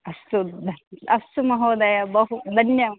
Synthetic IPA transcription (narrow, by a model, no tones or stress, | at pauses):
ɐst̪ud̪ɐst̪umɐɦoːd̪ajɐbɐɦud̪ʱɐnjɐm